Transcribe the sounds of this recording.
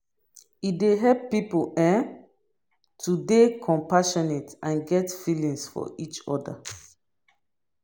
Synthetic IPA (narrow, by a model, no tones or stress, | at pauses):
ideɦɛppipoɛ̃ | tʰudekʰɔ̃mpaʃɔnetãnɡɛtfilĩŋsfɔ̰ʔit͡ʃɔ̰da̰